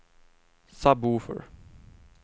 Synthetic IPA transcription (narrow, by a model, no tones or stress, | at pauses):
sabuːfə̰ɹ